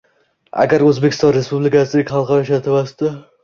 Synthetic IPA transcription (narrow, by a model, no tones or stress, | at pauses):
a̰ɡʲaɾɵzbekʰʲɪ̥st̪ɒ̃nɾe̞spublɪkʲasɪlɪkʲχɑlˠqɑɾɒjaʃat̪ʰɪvasd̪ɪ